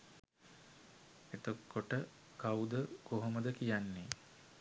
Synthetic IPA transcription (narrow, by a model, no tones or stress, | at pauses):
et̪okːoʈə | kawud̪əkoɦoməd̪əkijanːe